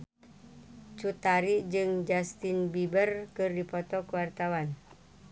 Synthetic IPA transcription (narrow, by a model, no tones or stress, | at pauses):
t͡ʃut̪aɾid͡ʒɨŋd͡ʒast̪inbibərkɨrdipɔt̪ɔkwart̪awan